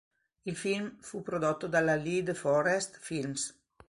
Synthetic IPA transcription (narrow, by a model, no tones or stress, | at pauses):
ilfilmfupɾod̪ot̪ːod̪alalid̪fɔɾɛst̪films